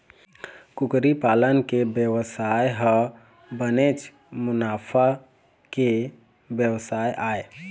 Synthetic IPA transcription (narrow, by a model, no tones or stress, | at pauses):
kukɾipalənkebjəwsajɦə | bənet͡ʃ | mʊnapʰa | ke | bjəwsajʔae